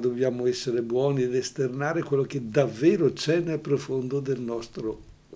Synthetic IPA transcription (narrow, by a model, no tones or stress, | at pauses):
d̪objaːmoɛsːeɾebwɔːnied̪est̪ernaːɾekwelːok̟ed̪avːeːɾot͡ʃɛnelpɾofond̪od̪elnɔst̪ɾo | k